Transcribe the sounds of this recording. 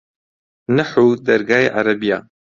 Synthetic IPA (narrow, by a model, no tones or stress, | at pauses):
nɨħud̪ɐɾɡaːjeʔaɾɐbijaː